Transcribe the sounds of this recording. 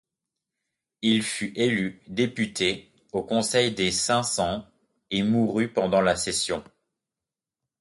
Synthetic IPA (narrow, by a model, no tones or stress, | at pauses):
ilfyʔelyd̪epyt̪e | okɔ̃sɛjd̪esɛ̃sɑ̃ | emuʁypɑ̃d̪ɑ̃lasesjɔ̃